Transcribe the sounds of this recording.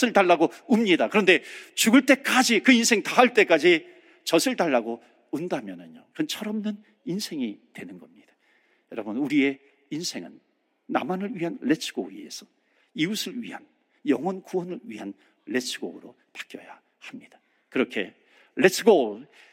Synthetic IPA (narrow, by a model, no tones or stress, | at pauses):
sʰɯɭtaɭːaɡoumɲidakɯɾʌnde̞t͡ɕuɡɯɭt͈e̞k͈ad͡ʑikɯinsʰe̞ŋtaɦaɭt͈e̞k͈ad͡ʑi | t͡ɕʌsʰɯɭtaɭːaɡo | undamjʌnɯɲokɯnt͡ɕʰʌɾʌmnɯn | insʰe̞ŋitwe̞nɯnɡʌmɲid̥ḁ | jʌɾʌbʌnuɾie̞ | insʰe̞ŋɯ̰nː | a̰manɯɭɥiɦanle̞sʰɯ̥ɡ̥oie̞̰sʰʌ | iusʰɯɭɥiɦan | jʌŋwʌnkuwʌnɯɭɥiɦan | le̞sʰɯɡoɯɾo | pḁk͈jʌ̰ja | hamɲid̥ḁ | kɯɾʌkʰe̞̰ | le̞sʰɯɡo